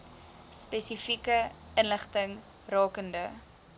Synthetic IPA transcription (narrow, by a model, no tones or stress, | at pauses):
spɛsifikə | ənləχtəŋ | rɑːkəndə